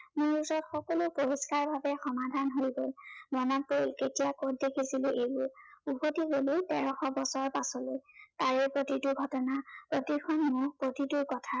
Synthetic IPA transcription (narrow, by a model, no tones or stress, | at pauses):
muɹuzɔtxɔkɔlʊpoɹiskaɹbʱabɛxɔmadʱanɦoɹjɡɔlmɔnɔt̚poilketijakot̚dekʰisilʊʔejbʊɹupotiɡolidɛɹɔxɔbɔsɔɹpasɔlojtaɹɛpɹotituɡʱɔtɔnapɹotikʰɔnmʊpɹotitukɔtʰa